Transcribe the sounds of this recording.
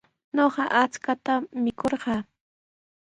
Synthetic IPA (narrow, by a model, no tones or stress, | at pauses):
ɲoɢɑʔat͡skat̪amɪkoɾɢɑː